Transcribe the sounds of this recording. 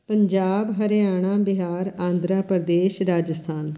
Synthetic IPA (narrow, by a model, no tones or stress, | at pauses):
pəɲd͡ʒaːbɦəɾɪjaːɳ̃ãːbɪɦaːɾãːnd̪ɾaːpəɾd̪eːʃɾaːd͡ʒəst̪ʰaːn